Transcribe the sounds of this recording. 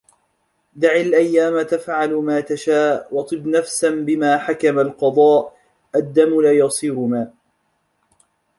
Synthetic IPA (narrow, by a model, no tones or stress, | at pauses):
d̪aʕɪlʔajːaːmat̪afʕalmaːt̪aʃaːʔwɑt̪ˤɨbnafsanbɪmaːħakamalqɑd̪ˤɑːʔ | ʔad̪ːamlaːjɑsˤiːɾʊmaː